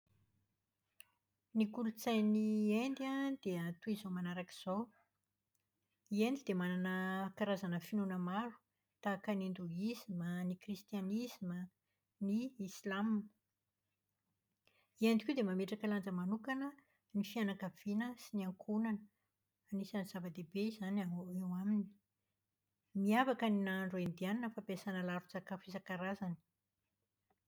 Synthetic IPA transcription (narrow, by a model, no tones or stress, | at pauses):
nikulut͡sajniend̪iad̪̥eat̪uizomanaɾaki̥z̥ow | iend̪id̪emananəkaɾazanəfinunəmaɾu̥ | t̪aːkənind̪uizimənikrist̪ianizimə | niislam | iand̪ikud̪emameʈ͡ʂakəland͡zəmanukanə | nifianakav̥inəsiniaŋkʰunanə | anisaniz̥avəd̪ebeizanaewamini̥ | miavakəninaɳɖ͡ʐoend̪ianinəfapesanəlaɾud͡zakafizakaɾazani̥